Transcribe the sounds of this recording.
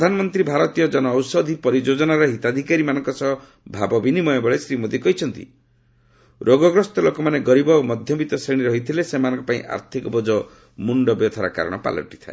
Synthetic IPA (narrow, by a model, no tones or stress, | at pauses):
pɾɔd̪ʱanɔmɔnt̪ɾibʱaɾɔt̪ijɔd͡ʒɔnɔːwsɔd̪ʱipɔɾid͡ʒod͡ʒɔnaɾɔɦit̪ad̪ʱikaɾimanɔŋkɔsɔɦɔ | bʱabɔbinimɔjebɔɭesɾimod̪ikɔɦit͡ʃʰɔnt̪ḭ | ɾʔoɡɔɡɾɔst̪ɔlokɔmaneɡɔɾibɔomɔd̪ʱjɔbit̪ɔseɽ̃iɾɔɦit̪ʰilesemanɔŋkɔpaĩʔa̰ɾt̪ʰikɔbɔd͡ʒɔ | muɳɖɔbjɔt̪ʰaɾa̰ka̰ɾɔ̰ɽ̃ɔpa̰lɔ̰ʈi̥t̪ʰae